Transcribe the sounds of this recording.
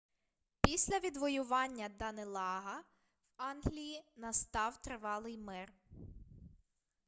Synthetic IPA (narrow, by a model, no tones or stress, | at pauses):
pʲisʲlʲɐʋʲid̪ʋɔjʊʋɑnʲːɐd̪ɐnelˠɑɦɐ | wɑnɦlʲijinɐst̪ɑwt̪ɾɪʋɑlˠɪjmɪr